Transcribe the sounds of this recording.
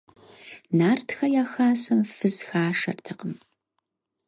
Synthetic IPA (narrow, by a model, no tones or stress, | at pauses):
naːrtxɐjaːxaːsɐmfɨzxaːʂɐ̰rtʰɐqəm